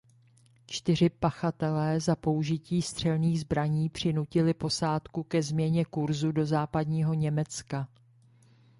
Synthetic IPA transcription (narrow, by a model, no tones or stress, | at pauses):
t͡ʃt̪ɪr̝ɪpaxat̪ɛlɛːzapo̞uʒɪciːst̪r̝̥ɛlniːɣzbɾaɲiːpr̝̥ɪnucɪlɪpo̞saːt̪kukɛzmɲɛɲɛkuɾzudo̞zaːpadɲiːɦo̞ɲɛmɛt͡ska